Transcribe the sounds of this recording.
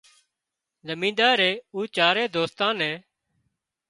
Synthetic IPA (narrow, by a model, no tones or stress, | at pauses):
ləmĩːd̪aːɾeːuːt͡ʃaːɾeːd̪oːst̪ãːnɛ̃ː